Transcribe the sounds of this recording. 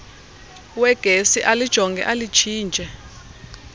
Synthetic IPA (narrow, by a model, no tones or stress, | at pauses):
wɛɡ̥ʱesiʔalid̥ʒ̥ʱɔŋɡʱɛ̰ʔalit͡ʃʰiːnd͡ʒʱɛ